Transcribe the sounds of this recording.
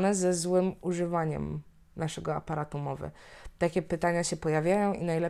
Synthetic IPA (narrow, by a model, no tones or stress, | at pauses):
nɛzɛzwɘmuʐɘvaɲɛ̰m | naʂɛɡɔa̰paɾat̪umɔvɘ̰t̪akʲɛpɘt̪aɲaɕɛpɔjavʲjajɔ̃w̃ʔinajlɛ